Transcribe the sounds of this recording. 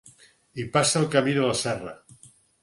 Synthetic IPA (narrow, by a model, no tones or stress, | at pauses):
ipasalˠkaminolasɛra̰